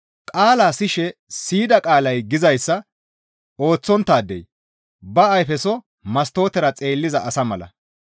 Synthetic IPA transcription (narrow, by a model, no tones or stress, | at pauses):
kʼaːlaːsɪʃɛsiːd̪ɐkʼaːlɐjɡɪzɐjsːɐ | o̞ːt͡sːɔnt̪ːaːd̪ɛ̰j | bɐːjfɛsɔ | mɐst̪o̞ːt̪ɛɾɐt͡sʼe̞ːlːɪzɐʔɐsɐmɐlɐ̰